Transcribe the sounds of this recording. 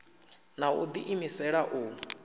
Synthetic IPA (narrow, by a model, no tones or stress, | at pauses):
naṵd̪iʔimisɛɺaʔuː